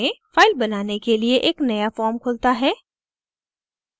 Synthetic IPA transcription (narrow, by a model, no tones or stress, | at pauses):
ẽfaːɪlbɐnaːnekelieʔeːknɐjafɔːɾmkʰʊlt̪aɦɛː